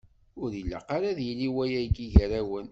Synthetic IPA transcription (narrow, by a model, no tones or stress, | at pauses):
ʊɾilːa̰qaɾaðjəlːiwæjæɡiʝəɾæwən